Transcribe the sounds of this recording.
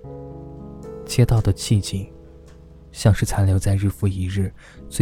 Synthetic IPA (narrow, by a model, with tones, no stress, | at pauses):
t͡ɕjɛ˥t̪ɑ˥˩ʊd̪ə˩t͡ɕʰi˥˩t͡ɕi˨˩ŋ | ɕjɑ˥˧ŋʂɻ̩˥˩t͡sʰa˧˥nljo˧˥ʊt͡sa˥˧ɪɻɻ̩˥˩fu˥˩i˧˥ɻɻ̩˥˩ | t͡swe˥˩